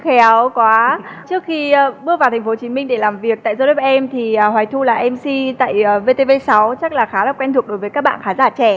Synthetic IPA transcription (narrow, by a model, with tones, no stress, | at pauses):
xɛ˨˦wkwaː˨˦t͡ɕɨ˦˥ək̚xiː˧˨˧ɓɨ˧əvaː˨˩t̪ʰŋ̟fo˨˦t͡ɕi˨˦mi˧ŋ̟ɗe˧˩laː˨˩mvi˨˩ək̚t̪a̰ː˧˨jzɔ˧ɗɔ˦˥p̚ʔɛ˧mt̪ʰi˨˩ə˨˩hɦwaː˨˩jt̪ʰu˧laː˨˩ʔɛ˧msi˧t̪a̰ː˧˨jəː˨˩ve˧t̪e˧ve˧sa˨˦wt͡ɕa˦˥k̚laː˨˩xaː˨˦laː˨˩kwɛ˧nt̪u˨˩əɗo˨˦jvəː˨˦jkaː˦˥k̚ɓa̰ː˧˨xaː˨˦zaː˧˩t͡ɕɛ˧˩